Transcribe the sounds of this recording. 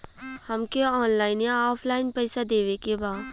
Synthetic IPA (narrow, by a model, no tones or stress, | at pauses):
hɐmkeɔːnlaːɪnjaɔːpʰlaːɪnpɛɪsad̪eːʋekebaːd̪